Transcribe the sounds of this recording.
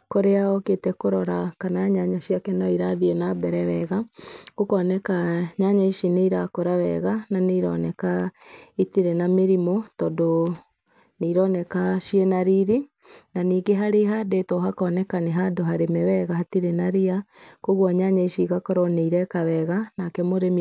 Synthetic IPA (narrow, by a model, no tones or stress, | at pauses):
koɾeaɔketɛkoɾɔɾakanaɲaɲaɕiakɛnɔiɾaðienabɛɾɛwɛɣḁokɔnɛkaɲaɲaiʃineiɾakoɾawɛ̰ɣananeiɾɔ̰nɛkaitiɾenameɾimotɔːdo | neiɾɔnɛkaʃienaɾiɾi | naniːɡeɦaɾeɦadetɔɦakɔnɛkaneɦadoɦaɾemɛwɛɣahatiɾenaɾiakoɣwɔɲaɲaiʃiɣakɔɾɔneiɾɛkawɛɣanakɛmoɾem